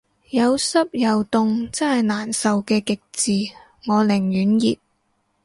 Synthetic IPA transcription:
jɐ˨˧wsɐ˥p̚jɐ˨wt̪ʊ˨ŋt͡sɐ˥nhɐ˨jnaː˨˩nsɐ˨wkɛː˧kɪ˨k̚t͡siː˨ | ŋɔː˨˧lɪ˨˩ŋjyː˨˥njḭː˨p̚

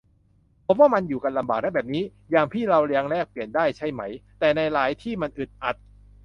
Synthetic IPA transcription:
pʰo˦˥mwaː˥˩ma˧njuː˨˩ka˧nla˧mbaː˨˩k̚na˦˥˩bɛː˨˩p̚niː˦˥ | jaː˨˩ŋpʰiː˥˩ɾa˧wɾi˧˥əŋɾɛː˥˩k̚pli˨˩əndaː˥˩jt͡ɕʰa˥˩jma˦˥jt̪ɛː˨˩na˧jɾaː˩˦jt̪ʰiː˥˩ma˧nʔɯ˨˩t̪̚ʔa˨˩t̪̚

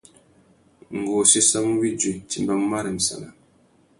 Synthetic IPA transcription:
ŋ˨ɡo˨si˦sa˦m˦wi˦d͡ʒi˨ti˨mba˦m˦ma˦ɾi˨m̩˨sa̰˨na˨

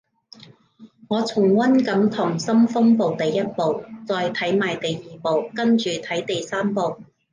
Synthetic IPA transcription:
ŋɔː˨˧t͡sʰʊ˨˩ŋwɐ˥nkɐ˨˥mt̪ʰʊ˨˩ŋsɐ˥mfʊ˥ŋpo˨˧wt̪e˨jjɐ˥t̚po˨wt͡sɔː˨˧jt̪ʰɐ˨˥jmaː˨jt̪e˨jjiː˨˩po˨wkɐ˥nt͡ʃyː˨t̪ʰɐ˨˥jt̪e˨jsaː˥mpo˨w

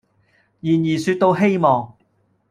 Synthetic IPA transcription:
jiː˨˩njiː˨˩syː˧t̚t̪o˧whe˥jmɔː˨ŋ

